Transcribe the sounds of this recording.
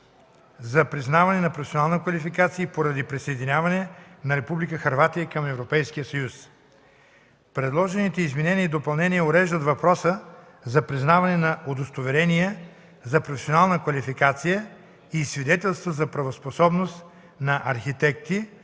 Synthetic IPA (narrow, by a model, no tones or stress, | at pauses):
zɐpɾiznavɐnɛnɐpɾofɛsonalˠnəkvɐlifikat̪siəpoɾɐd̪ipɾisɐjd̪inʲjavɐnɛnɐɾɛpublikəxɐɾvat̪ijəkɐmɛvɾopɛjskijəsɐjus | pɾɛd̪lˠɔʒɛnit̪ɛizmɛnɛniəd̪opɐlˠnɛniɛoɾɛʒd̪ət̪vɐpɾɔsə | zɐpɾiznavɐnɛnɐʔod̪ost̪ovɛɾɛnijɛ | zɐpɾofɛ̥sʲionalˠnəkvɐlifikat̪sijə | isvid̪ɛt̪ɛlˠst̪vəzɐpɾɐvosposɔbnost̪ | nɐʔɐɾxit̪ɛk̚t̪i